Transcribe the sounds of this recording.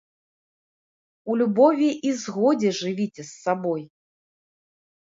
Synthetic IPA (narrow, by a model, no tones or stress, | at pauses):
ulʲubɔvʲiʔizɣɔd͡zʲɛʐɨvʲit͡sʲɛsːabɔj